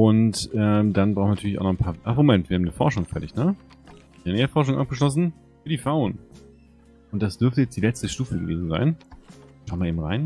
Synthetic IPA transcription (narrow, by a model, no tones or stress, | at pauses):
ʔʊntʔɛmd̥anbʁaʊxn̩vnatʰyɐlçʔaʊnɔχn̩pʰaːɐʔaχmomɛntv̥iːɐhaːmnəfɔɐʃʊŋfɛɐɾɪçnə̥ | nɛːəfɔɐʃ̬ʊŋʔa̰p̚ɡ̥əʃ̬lɔs̬n̩ | fyːɐdiːfʁaʊn | ʔʊnt̚d̥asd̥ʏɐftəjɛt͡std̥iːlɛt͡stəʃtuːfəɡəvḛːzn̩za̰ɪnʃaʊnvaɐʔeːm̩ʁa̰ɪn